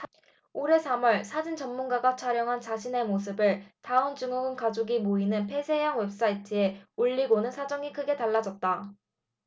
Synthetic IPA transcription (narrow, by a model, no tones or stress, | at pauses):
oɾe̞sʰamʌɭsʰad͡ʑint͡ɕʌmːunɡaɡat͡ɕʰaɾjʌŋɦant͡ɕaɕʰine̞mos̬ʰɯbɯɭtaɯnt͡ɕɯŋʌɡɯnkad͡ʑoɡimoinɯnpʰe̞sʰe̞jaŋwe̞p̚s͈aitʰɯe̞uʎːiɡonɯnsʰad͡ʑʌŋikʰɯɡe̞taɭːad͡ʑʌt̚t͈a